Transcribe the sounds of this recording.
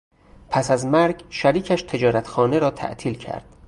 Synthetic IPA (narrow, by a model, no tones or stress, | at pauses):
pʰæsæzmæɾɡʃæɾiːcʰæʃt̪ʰe̞d͡ʒɒːɾæt̪xɒːneɾɒːt̪ʰæ̰ʔt̪ʰiːlcʰæ̰ɾd̪̥